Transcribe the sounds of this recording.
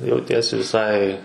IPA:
jɛʊˈtʲiɛsʲɪ ʋʲɪˈsɐɪ

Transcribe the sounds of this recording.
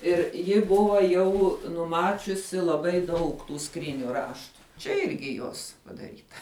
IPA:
ˈɪr ˈjɪ ˈbʊʋɐ ˈjɛʊ nʊˈmɑːt͡ʃʲʊsʲɪ lˠɐˈbɐɪ ˈdɐʊk tuː ˈskrʲiːnʲʊ ˈrɑːʃtʊ ˈt͡ʃʲɛ ˈɪrʲɡʲɪ ˈjoːs pɐdɐˈrʲiːtɐ

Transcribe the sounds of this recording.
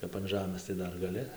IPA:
kɐp ɐn ˈʒɑːmɘs tɐɪ ˈdɐr ɡɐˈlʲɪ

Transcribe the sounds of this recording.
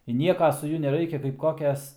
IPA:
ɪ ˈnʲiɛkɐ sʊ ˈjuɔ nʲɛˈrɐɪkʲɛ kɐɪp ˈkoːkʲɛs

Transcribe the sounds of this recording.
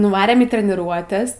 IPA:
nʊˈʋɑːrʲeːm iː tʲrʲɛnʲɪˈruɔtʲɛs

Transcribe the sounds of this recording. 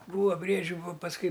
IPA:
ˈbuːʋɐ ˈbʲrʲiɛd͡ʒʲʊ ʋoː pɐsˈkʊɪ

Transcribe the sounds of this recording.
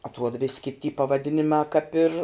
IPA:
ɐtˈruɔt ʋʲɪsʲ kʲɪtʲ tʲiː pɐʋɐˈdʲɪnʲɪmɑː kɐp ɪr

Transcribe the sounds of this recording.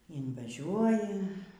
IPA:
ɪnʋɐˈʒʲuɔjɪ

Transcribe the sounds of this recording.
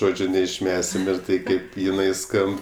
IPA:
ˈʒoːd͡ʒʲʊ nʲɛɪʃʲˈmʲæːsʲɪm ɪr ˈtɐɪ kɐɪp jɪˈnɐɪ ˈskɐmp

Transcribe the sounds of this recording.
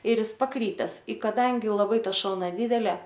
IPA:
ɪr ˈɪs pɐˈkrʲiːpʲɛs ɪ ˈkɑːˈdɐŋʲɡʲɪ lˠɐˈbɐɪ ˈtɐ ˈʃɐlˠnɐ ˈdʲiːdʲɛlʲɛ

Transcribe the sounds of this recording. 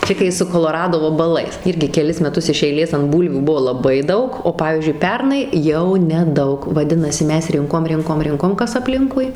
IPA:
ˈt͡ʃʲɛ kɐɪ sʊ koːlˠoːˈrɑːdoː ʋɐbɐˈlˠɐɪs ˈɪrʲɡʲɪ kʲɛˈlʲɪs mʲɛˈtʊs ɪʃ ɛɪˈlʲeːs ɐnt ˈbuːlʲʋʲuː ˈbʊʋoː lˠɐˈbɐɪ ˈdɐʊk oː ˈpɑːʋʲiːzʲd͡ʒʲʊɪ ˈpʲɛrnɐɪ jɛʊ nʲɛˈdɐʊk ʋɐˈdʲɪnɐsʲɪ ˈmʲɛs ˈrʲɪŋkoːm ˈrʲɪŋkoːm ˈrʲɪŋkoːm ˈkɐs ɐpʲˈlʲɪŋkʊɪ

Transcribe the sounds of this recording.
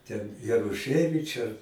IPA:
tʲɛn jɛrʊˈʃɜʋʲɪt͡ʃʲ ɐr

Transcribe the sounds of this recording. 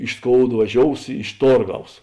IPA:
ɪʃ ˈskoːʊt ʋɐˈʒʲoːʊs ɪʃ ˈtoːrˌɡɐʊs

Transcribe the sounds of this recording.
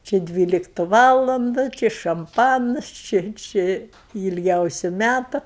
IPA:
t͡ʃʲɪ ˈdʲʋʲiːlʲɪktʊ ˈʋɑːlˠɐndʊ ˈt͡ʃʲɪ ʃɐmˈpɑːnɐs ˈt͡ʃʲɪ ˈt͡ʃʲɪ ɪ ɪlʲˈɡʲɛʊsʲʊ ˈmʲætʊ

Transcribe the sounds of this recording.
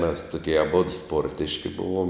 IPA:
mʲɛs tʊˈkʲiɛ ɐˈboːdʊ ˈspoːrʲtʲɪʃʲkʲɪ ˈbʊʋoːm

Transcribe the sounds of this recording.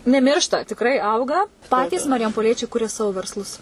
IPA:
nʲɛˈmʲɪrʃtɐ tʲɪkˈrɐɪ ˈɐʊɡɐ ˈpɑːtʲiːs mɐrʲɪjɛmpoːˈlʲiɛt͡ʃʲɛɪ ˈkʊrʲɛ ˈsɑːʋoː ʋʲɛrsˈlˠʊs

